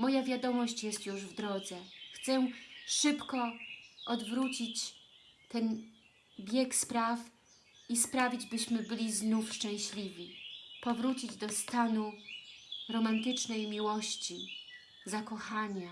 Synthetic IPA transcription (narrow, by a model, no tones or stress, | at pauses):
mɔjavʲjad̪ɔmɔɕt͡ɕjɛst̪juʐvd̪ɾɔd̪zɛxt̪sɛʂɘpkɔɔd̪vɾut͡ɕit͡ɕ | t̪ɛn | bʲjɛkspɾaf | ispɾavʲid͡ʑbɘɕmɘbɘlʲiznufʂt͡ʂɛ̃w̃ɕlʲivʲipɔvɾut͡ɕid͡ʑd̪ɔst̪anu | ɾɔmant̪ɘt͡ʂnɛjmʲiwɔɕt͡ɕi | zakɔxaɲa